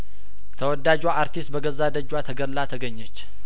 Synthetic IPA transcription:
t̪ʰəwɔd̪ad͡ʒwaʔaɾt̪ʰist̪̚bəɡəzːad̪əd͡ʒwat̪ʰəɡəllːat̪ʰəɡəɲːət͡ʃː

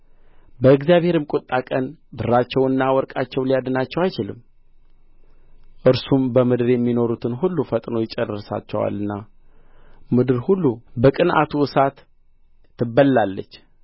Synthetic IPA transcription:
bəɨɡzijaβhe̞ɾɨmkʼʊt̪ʼːakʼənbɨrːat͡ʃːɛwɨnːawɔɾkʼat͡ʃːɛwlijad̪ɨnat͡ʃːɛwajt͡ʃɪlɨ̰mː | ʔɨɾsumbəmɨd̪ɨɾjɛmːino̞ɾut̪ʰɨnɦulːufət̪ʼno̞jɪt͡ʃʼɛrɨsa̰t͡ʃːɛ̰wa̰lːɨnːa | mɨd̪ɨɾhulːubəkʼɨnʔa̰t̪ʰuʔɨsat̪ː | ɨbːəllalːə̰t͡ʃː

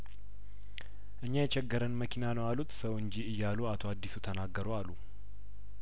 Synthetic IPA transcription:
ʔɨɲːajɛt͡ʃɛɡːəɾənməkʰinanəwalut̪səwɨɲd͡ʒiɨjːaluat̪ʰoad̪ːisut̪ʰənaɡːəɾoalːu

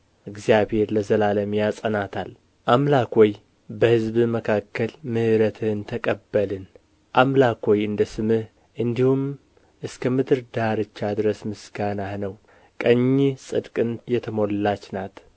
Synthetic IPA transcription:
ʔɨɡzijaβhe̞ɾləzəlaləmjasʼənat̪ʰal | ʔamlakʰoj | bəhɨzbɨməkʰakːəlmɨhɨɾət̪ʰɨnt̪ʰəkʼəbːəlɨn | ʔamlakʰojɨnd̪əsɨmɨh | ʔɨnd̪ihum | ʔɨskʰəmɨd̪ɨɾd̪aɾɨt͡ʃːad̪ɨɾəsmɨsɡ̥anahnəw | kʼəɲːisʼɨd̪kʼɨnjɛt̪ʰəmollat͡ʃːnat̪

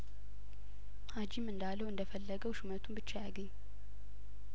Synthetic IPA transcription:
had͡ʒimɨnd̪alːəwɨnd̪əfəlːəɡəwʃumət̪ʰumbɨt͡ʃːajaɡəɲː

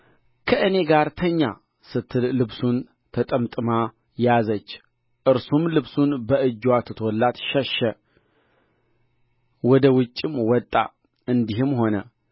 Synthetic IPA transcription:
kʰəʔɨne̞ɡaɾt̪ʰəɲːa̰ | sɨt̪ʰːɨllɨβsun | t̪ʰət̪ʼəmt̪ʼɨma | jazət͡ʃː | ʔɨɾsumlɨβsunbəʔɨd͡ʒːwat̪ʰɨt̪ʰɔlːat̪ʃɛʃə | wɔd̪əwʊt͡ʃʼːɪmwɔt̪ʼːa̰ | ɨnd̪iɦɨmho̞nə̰

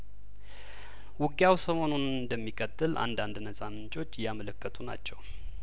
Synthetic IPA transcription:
wʊɡjawsəmo̞nunɨnd̪əmːikʼət̪ʼːɨlʔa̰nd̪and̪nəsʼamɨnt͡ʃʼo̞t͡ʃːjamələkːət̪ʼuna̰t͡ʃːɛw

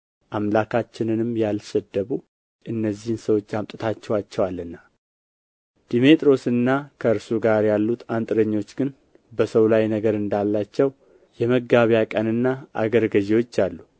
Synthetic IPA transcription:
ʔamlakʰat͡ʃːɪnɨnɨmjalʃəd̪ːəβu | ʔɨnːəzːihnsəwo̞t͡ʃːamt̪ʼɨt̪ʰat͡ʃːɛwat͡ʃːɛwalːɨnːa | d̪̥imet̪ʼɾo̞sɨnːakʰəɨɾsuɡaɾjalːut̪ant̪ʼɾəɲːo̞t͡ʃːɡɨn | bəsəwlajnəɡəɾɨnd̪alːat͡ʃːɛw | jɛməɡaβjakʼənɨnːaʔa̰ɡəɾɡəziwo̞t͡ʃːalːu

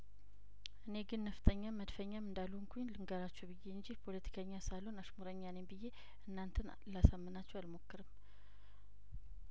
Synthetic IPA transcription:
ʔɨne̞ɡɨnːəft̪ʼəɲːamːəd̪fəɲːamɨnd̪alːuŋkʰuɲlɨŋɡəɾat͡ʃːɛwbɨjːeɨɲd͡ʒihpʰo̞lət̪ʰi̥kʰəɲːasalonaʃmoɾəɲːanembɨjːe̞ | ʔɨnːant̪ʰən | lasəmːɨnat͡ʃːɛwalmo̞kːɨɾɨm

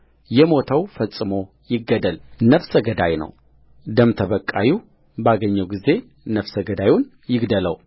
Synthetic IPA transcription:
jɛmo̞t̪ʰəwfəsʼːɨmo̞ | jɪɡːəd̪əlnəfsəɡəd̪ajnə̰w | d̪əmt̪ʰəβəkʼːaji | baɡəɲːəwɡize̞ | nəfsəɡəd̪ajʊn | jɪɡd̪ələw

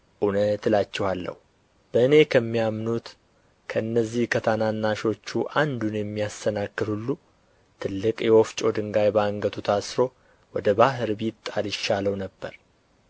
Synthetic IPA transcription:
ʔunət̪lat͡ʃːɛhalːə̰hu | b̥əɨne̞kʰəmːijamnut̪ | kʰəɨnːəzːihkʰət̪ʰananːaʃo̞t͡ʃːuʔand̪unjɛmːijast̪ʰənakːɨd̪hulːu | t̪ʰɨlːɨkʼjɛwɔft͡ʃʼo̞d̪ɨŋɡajbəaŋɡət̪ʰut̪ʰasɾo̞ | wɔd̪əbaɦɨɾbit̪ʼːalɪʃːaləwnəbːə̰ɾ

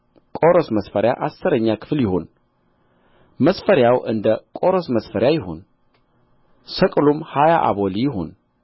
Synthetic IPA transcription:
kʼoɾosməsfəɾja̰ʔasɨɾəɲːakʰɨ̥fljɪho̞n | məsfəɾjawʔɨnd̪əkʼoɾosməsfəɾjajɪɦo̞̰n | səkʼlumhajaʔa̰βolijɪɦo̞̰n

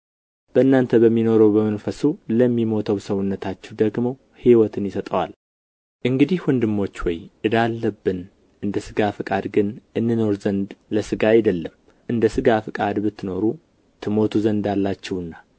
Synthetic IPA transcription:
b̥əɨnːant̪ʰəbəmːino̞ɾəwbəmənfəsuləmːimo̞t̪ʰəwsəwʊnːət̪ʰat͡ʃːɛwd̪əɡmo̞ | hiwɔt̪ʰɨnjɪsət̪ʼəwa̰l | ʔɨŋɡɨd̪ihwɔnd̪ɨmːo̞t͡ʃːwɔjʔɨd̪alːəbːɨn | ʔɨnd̪əsɨɡafɨkʼad̪ɡɨnʔɨnːɨno̞ɾzənd̪ləsɨɡajɪd̪əlːəm | ʔɨnd̪əsɨɡafɨkʼad̪bɨt̪ʰːɨno̞ɾu | t̪ʰɨmo̞t̪ʰuzənd̪alːat͡ʃːɛwɨnːa

